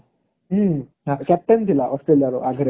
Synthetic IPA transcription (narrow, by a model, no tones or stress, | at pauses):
kɛp̚ʈent̪ʰilaʔɔsʈɾelijaɾoʔaɡɾe